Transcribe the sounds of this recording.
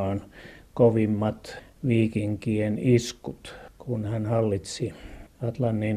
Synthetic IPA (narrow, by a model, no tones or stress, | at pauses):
ɑːnkoʋimːɑt̪ʋiːkiŋkieniskut̪kunhænhɑlːit̪siɑt̪lɑnːin